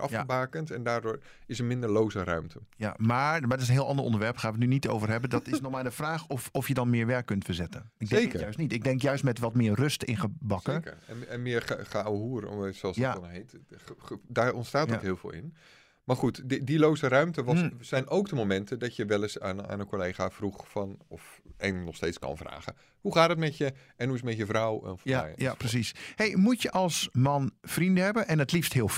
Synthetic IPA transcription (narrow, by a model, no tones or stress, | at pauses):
ʔɑ̰fəbaːkəntɛndaːɹdʊːɹ | ɪsəmɪndəɹlowzərœ̰ɥmtʰəja̰maːmatɪsənɦɪːɑndəʔɔ̰ndəɹʋɛɹpχaːnʋətnynito̰wvərɦɛbədɔtɪsnɔxmaːdəfraːxɔfɔfjədɔnmɪːɹʋɛɹkːɵntfəɹzɛtənɪɡ̚dekəœɥstnitɪɡ̚dɛŋkjœɥstmɛtʋɔtmɪːrrɵstɪ̰nχəbɑksəkə̰ɹɛɛnmɪəɹχawɦuːr̰soɔlˠsaɔnɦet | darɔntstaːtɔthiːlˠv̥o̰ːlˠɪ̰n | maːrχutdilowsərœɥmtəʋɔsɛjnowkdəmowmɛntʰədɔtjəʋɛlˠɪsana̰ːnəkoleːɣafruxfɔnɔfɛnnɔxsteːt͡skɔ̰nfra̰ːɣə | huχaːtdətmɛtjə | ɛnhuɪsmɛtjəfrawnfɔmɛ̰jprəsishejmutjəʔɑlˠsmɑnfrindəhɛbənʔɛnətlifsthɪəlˠ